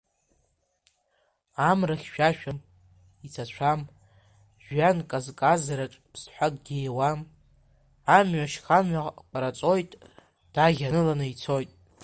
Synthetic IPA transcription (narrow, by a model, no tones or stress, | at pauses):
amraχʲʃᶣaʃᶣam | it͡sʰat͡ɕʷʰam | ʒᶣɥankʼazkʼazaɾaʈ͡ʂʼpʰsħʷakʼɡʲiewam | amɥaʃχanʕaqʼaɾat͡sʼo̞jtʼ | d̥aɣʲanɨlanɨit͡sʰo̞jtʼ